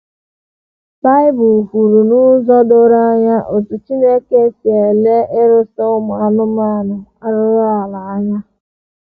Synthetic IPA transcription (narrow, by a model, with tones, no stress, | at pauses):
ba˦ɪ˦bʊ˨ku˨ɾu˨nʊ˦zɔ˦do˦ɾa˦ɲa˦ʔo˨tʊ˨t͡ʃi˦ne˦ke˦se˨le˦ɪ˦ɾʊ˦so˦ʊ˦ma˨a˨nʊ˦m˦a˦˨nʊ˨a˦ɾʊ˦ɾa˨la˨a˦ɲa˦